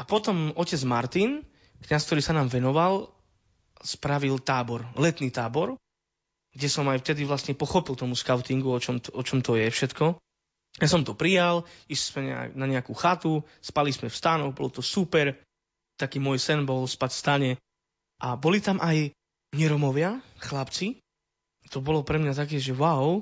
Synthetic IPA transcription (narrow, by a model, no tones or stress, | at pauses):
apɔt̪ɔmɔcɛd͡zmaɾt̪in | kɲaskt̪ɔɾiːsanaːmʋɛnɔʋal | spɾaʋilt̪aːbɔɾlɛt̪niːt̪aːbɔɾ | ɡɟɛsɔmajft̪ɛd̪iʋlast̪ɲɛpɔxɔpilˠt̪ɔmuskaʊt̪iŋɡuɔt͡ʃɔmt̪ɔt͡ʃɔmt̪ɔjɛfʃɛt̪kɔ | jasɔmt̪ɔpɾijaliʃismɛɲɛa̰naɲɛakuxat̪u | spalismɛfst̪anɔɡbɔlɔt̪ɔsupɛɾ | t̪akiːmɔːjsɛnbɔlspacfst̪aɲɛ | ʔabɔlit̪amʔaj | ɲɛɾɔmɔʋɪaxlapt͡si | t̪ɔbɔlɔpɾɛmɲat̪akɛːʒɛwaʊ